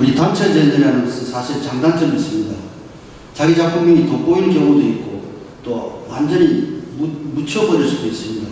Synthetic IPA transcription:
uɾitamt͡ɕʰed͡ʑedeɾɦanɯnɡʌsʰɯnsʰaɕʰiɾɭt͡ɕaŋdant͡ɕ͈ʌɡis͈ɯmɲida | t͡ɕaɡid͡ʑapʰuŋmʌŋitʌk͈oiɭkjʌŋudoit̚k͈ot͈owand͡ʑʌɲi | mut͡ɕʰʌbʌd͡ʑʌɭs͈udois͈ɯmɲida

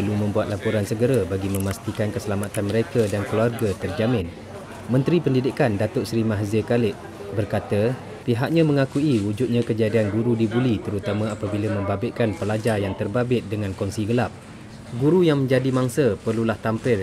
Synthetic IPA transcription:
pəlumə̃mbuat̪̚lapuɾansəɡəɾabaɡimə̃mast̪ikankəsəlamat̪anməɾekadankəluarɡat̪ərd͡ʒamɪ̃n | mə̃nt̪ɾipəndidɪkandat̪ʊʔsɾimaɦzəkalɪʔ̚ | bərkat̪a | piɦak̚ɲãmə̃ŋakuiud͡ʒut̪̚ɲãkəd͡ʒadianɡuɾudibulit̪əɾut̪amãapabilamə̃mbabɪt̪̚kanpəlad͡ʒajaŋt̪ərbabɪt̪̚dəŋãnkɔŋsiɡəlap̚ | ɡuɾujaŋmə̃ɲd͡ʒadimaŋsəpərlulaht̪ampɪr

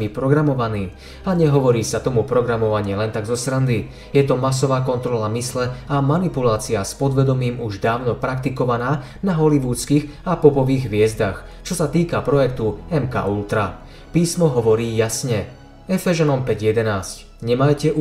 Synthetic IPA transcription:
ipɾɔɡɾamɔʋaniː | aɲɛɦɔʋɔɾiːsat̪ɔmupɾɔɡɾamɔʋaɲɪɛlɛnt̪aɡzɔsɾand̪i | jɛt̪ɔmas̬ɔʋaːkɔnt̪ɾɔlamislɛamanipulaːt͡siaspɔd̪ʋɛd̪ɔmiːmuʒd̪aːʊnɔpɾakt̪ikɔʋanaː | naɦɔliʋuːt͡skiːɣ | apɔpɔʋiːɣʋɪɛzd̪axt͡ʃɔsat̪iːkapɾɔjɛk̚t̪uɛmka̰ːʔult̪ɾa | piːsmɔɦɔʋɔɾiːjasɲɛ | ɛfɛʒɛnɔmpɛɟjɛd̪ɛnaːsc | ɲɛmajcɛʔu

